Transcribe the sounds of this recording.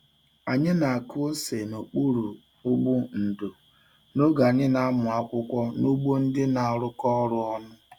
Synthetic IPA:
a˨ɲɪ˦na˨a˨kʊ˦o˦se˨no˨k͡pu˦ɾu˨ | ʊ˦ɡ͡bʊ˦n̩˨do˨ | no˦ɡa˨ɲɪ˦na˦a˦mʊ˨a˦kʷʊ˦kʷɔ˦nu˦ɡ͡bo˦n̩˦dɪ˦na˨a˨ɾʊ˦kɔ˦ɾʊ˦ɔ˦nʊ˦

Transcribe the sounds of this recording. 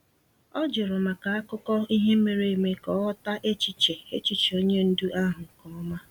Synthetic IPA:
ɔ˦d͡ʒɪ˨ɾʊ˨ma˨ka˨a˦kʊ˦kɔ˦i˦ɦe˦me˨ɾe˦˨me˦kɔ˨˦ɔ˦ta˦ʔe˦t͡ʃi˨t͡ʃe˨e˦t͡ʃi˨t͡ʃo˦ɲe˦n̩˦dʊ˦ʔa˦ɦʊ˨kɔ˨ɔ˦ma˦

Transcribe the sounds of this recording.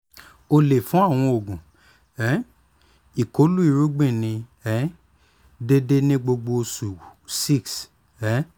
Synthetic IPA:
o˧le˨fũ˨˦a˦˨w̃ɔ̃˧o˨ɡũ˨ | ɛ˨˦ | i˨ko˨˦lu˦i˦˨ɾu˦ɡ͡bĩ˦˨nĩ˧ɛ˨˦ | de˦de˦nĩ˦ɡ͡bo˧ɡ͡bo˧su˨si˦˨ks | ɛ˨˦

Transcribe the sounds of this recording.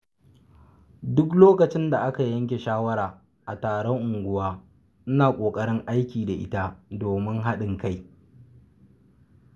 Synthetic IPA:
dʊ˦k̬loː˦kɐ˨t͡ʃɪ˦nda˨ʔa˦ka˨jɐ˦ŋkʲe˨ʃaː˦wɐ˦ɾaː˨ | ʔa̰˨taː˨ɽɔ˦ŋʔʊ˨ŋɡʷʊ˦waː˦ | ʔɪ˦naː˨kʷʼoː˨kʼɐ˦ɽɪ˦ŋʔa˦jkʲiː˨da˨ʔɪ̰˦ta˦doː˨mɪ˦ŋɦa˦ɗɪ˨ŋka˦˨j

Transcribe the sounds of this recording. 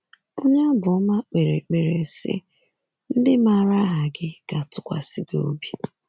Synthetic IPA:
o˦ɲa˦bʊ˨ʊ˦ma˦k͡pe˨ɾḛ˨k͡pe˨ɾe˨sɪ̰˦ | n̩˦dɪ˦ma˦˨ɾa˦ɦa˨ɡɪ˦ɡ̥a˨tʊ˦kʷa̰˨si˦ɡo̰˦bi˦

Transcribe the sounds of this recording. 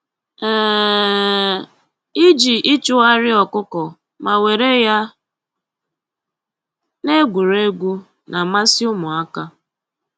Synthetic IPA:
ɛ˨ | i˦d͡ʒi˨ʔi˦t͡ʃʊ˦a˦ɾɪ˦ɔ˨kʊ˦kɔ˨ | ma˨we˨ɾe˦ja˦ | ne˦ɡʷu˨ɾe˦ɡʷu˦ | na˨ma˦sɪ˦ʊ˦mʊ˨a˦ka˦

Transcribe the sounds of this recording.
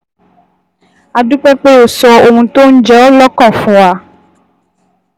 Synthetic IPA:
a˨ɖu˦k͡pɛ˦k͡pe˦o˨sɔ˨o˨ŋũ˨t̪o˦ŋ̩˦d͡ʒɔ˨˦lɔ˦kɔ̃˦˨fũ˨a˨

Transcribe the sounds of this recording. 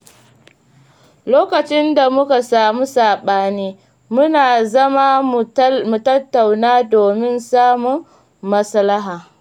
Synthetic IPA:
loː˦kɐ˨t͡ʃɪ˦nda˨mʊ˦ka˨saː˨mu˦saː˨ɓaː˦niː˦ | mʊ˦naː˨zɐ˦ma˦˨ | mu˨tɐ˦tːa˨wnaː˦doː˨mɪ˦nsaː˦mʊ˨ŋː | ɐ˦slɐ˦ɦaː˨

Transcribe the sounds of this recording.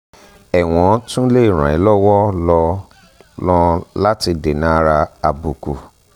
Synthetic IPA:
ɛ˨w̃ɔ̃˨˦tũ˦le˦i˦˨ɾ̃ã̰˨i˨˦lɔ˦wɔ˦lɔ˧ | lɔ̃˧la˦ti˧de˨nã˨˦ɾa˧a˧bu˨kṵ˨

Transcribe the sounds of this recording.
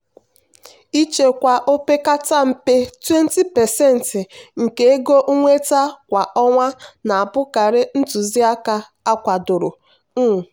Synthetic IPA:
i˦t͡ʃe˨kʷa˨ʔo˦pe˦ka˦ta˦m̩˨pe˦twe˦n˦ti˦pɛ˨sɛ˦˨n̩˨tɪ˨ŋ̩˨ke˨e˦ɡo˦ʔu˦ŋʷe˦ta˦kʷa˨ʔɔ˦ŋʷa˦na˨a˨bʊ˦ka˨ɾɪ˦n̩˦tʊ˨zi˦a˦ka˦ | a˦kʷa˨dʊ˨ɾʊ˨˦˨

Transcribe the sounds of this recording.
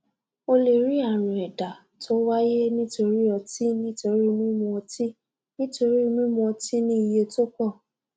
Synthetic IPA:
o˧le˨ɾi˨˦a˦˨ɾ̃ã˨ɛ˨da˨ | tʰo˦wa˦je˦nĩ˦to˧ɾi˦ɔ˧ti˦nĩ˦to˧ɾi˦˧mũ˦mɔ̃˧ɔ˧ti˦ | nĩ˦to˧ɾi˦˧mũ˦mɔ̃˧ɔ˧ti˦nĩ˦i˧je˧to˦k͡pɔ˦˨

